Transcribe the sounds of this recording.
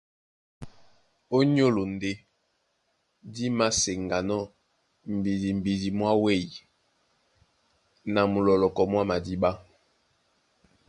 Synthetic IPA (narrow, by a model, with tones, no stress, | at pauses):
o˦ɲ˦o˦lo˨n˨de˦ | di˦ma˦se˨ŋɡa˨nɔ˦ | m̩˨bi˨di˨m̩˨bi˨di˨mwa˦we˦˨i˨ | na˨mu˨lɔ˨lɔ˨kɔ˨mwa˦ma˨di˦ba˦